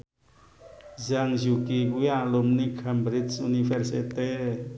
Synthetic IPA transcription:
zaŋzukiujãlomnikʰambɾit͡ʃunifʰeɾsit̪e

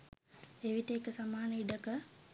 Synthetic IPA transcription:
eʋiʈəekəsamaːnəiɖəkə

